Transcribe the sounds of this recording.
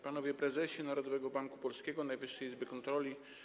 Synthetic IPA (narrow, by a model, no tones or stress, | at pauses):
panɔvʲjɛpɾɛzɛɕɛnaɾɔd̪ɔvɛɡɔbaŋkupɔlskʲɛɡɔnajvɘʂːɛizbɘkɔnt̪ɾɔlʲi